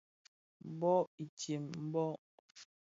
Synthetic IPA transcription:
bɔ˦i˨tje˨mm̩˦bɔ˦

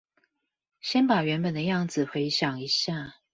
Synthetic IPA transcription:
ɕjɛ˦npa˨˩ɥɛ˧˦npə˨˩nd̪ə˦jɑ˥˨ŋd͡z̩˨˩xwe˨˧˦ɪɕjɑ˨˩ŋi˧˦ɕja˥˨

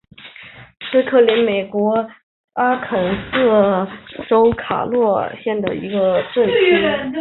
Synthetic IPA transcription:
sɤ˥kʰɤ˥˩li˧˥nme˨˩ɪkwɔ˧˥ | a˥kʰə˨˩nsɤ˥˩ʈ͡ʂo˥ʊkʰa̰˨˩lwɔ˥˩˧ɕjɛ˥˩nd̪ə̰˩ḭ˧˥ɡə˧ʈ͡ʂə˥˩n˥

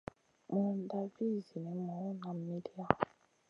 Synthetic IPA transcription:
mu˨n˨da˨vi˦˨zi˨ni˨˦mɔ˨u˦na˨m̩˦mi˦di˦a˦

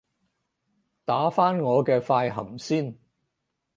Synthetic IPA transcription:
t̪aː˨˥faː˥nŋɔː˨˧kɛː˧faː˧jɦɐ˨˩msiː˥n

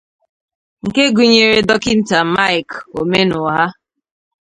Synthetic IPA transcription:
ŋ̩˨ke˦ɡu˨ɲe˨ɾe˦dɔ˦kɪ˦n̩˦ta˨ma˦ɪ˨ko˨me˦nʊ˨ɦa˦

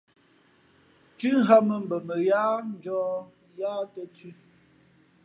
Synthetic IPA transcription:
kʉ˦ŋ˦ɦa˦mə˨m̩˨bə˨mə˨jaː˦n˦d͡ʒɔː˦ | jaː˦tə˦t͡si˦

